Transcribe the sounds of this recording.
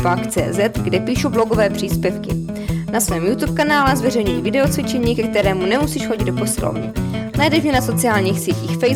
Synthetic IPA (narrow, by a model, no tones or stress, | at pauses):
fakt͡sɛ̰ːzɛt̪ɡdɛpiːʃubloɡovɛːpr̝̥iːspjɛfkɪ | nasvɛːmjut̪uːp̚kanaːlɛzvɛrɛjɲujivɪdɛot͡svɪt͡ʃɛɲiːkɛkt̪ɛɾɛːmunɛmusiʃxoɟɪdopo̞sɪlo̰vnɛ̰najɛdɛʒɲɛnaso̞t͡sɪaːlɲiːxsjɛciːxfɛj